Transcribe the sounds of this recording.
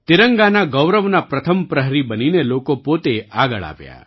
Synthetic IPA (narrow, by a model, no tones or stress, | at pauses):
t̪iɾəŋɡanaɡɔwɾəʋnapɾɐt̪ʰəmpɾəɦɾibəninelokopot̪eaɡəɭa̰pja̰